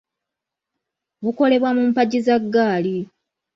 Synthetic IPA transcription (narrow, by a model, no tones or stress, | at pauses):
βuko̞le̞βwamumpaɟizaɡːaːli